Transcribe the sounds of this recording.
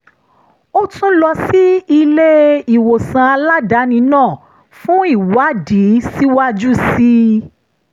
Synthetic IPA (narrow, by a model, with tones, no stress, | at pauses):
o˦tũ˦lɔ˧si˦i˧le˦i˨wo˨sã˧a˧la˦da˨˦nĩ˧˦nãː˦˨ | fũ˦i˦˨wa˦di˨˦si˦wa˦d͡ʒu˦si˦